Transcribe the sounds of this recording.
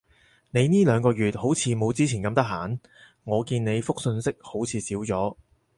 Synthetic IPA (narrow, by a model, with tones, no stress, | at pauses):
ne˨˧jniː˥lœː˨˧ŋkɔː˧jyː˨t̚ho˨˥wt͡sʰiː˨˧mo˨˧wt͡siː˥t͡sʰiː˨˩nkɐ˧mt̪ɐ˥ɦaː˨˥n | ŋɔː˨˧kiː˧nne˨˧jfʊ˥k̚sɵ˧nsɪ˥k̚ho˨˥wt͡sʰiː˨˧siː˨˥wt͡sɔː˨˥